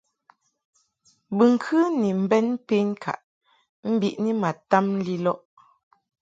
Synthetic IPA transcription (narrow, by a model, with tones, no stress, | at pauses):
bɨ˨ŋ̩˨kʰɨ˦ni˨m̩˨bɛ˦npe˦nkʰa̰˨ʔ | m̩˦bi˦˨ʔni˦ma˨ta˦m̩˦li˦lɔ˦ʔ